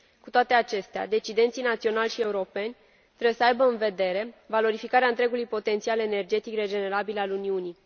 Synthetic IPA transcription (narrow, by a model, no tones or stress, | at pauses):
kut̪oat̪eat͡ʃe̞st̪ea̰d̪e̞t͡ʃid̪e̞nt̪sinat̪sio̞nalʲʃie̞uɾo̞pe̞nʲ | t̪ɾebjesəajbəɨnve̞d̪e̞ɾe̞valo̞ɾifikaɾeaɨnt̪ɾe̞ɡulujpo̞t̪e̞nt̪siale̞ne̞rd͡ʒe̞t̪ikre̞d͡ʒe̞ne̞ɾabilaluniuni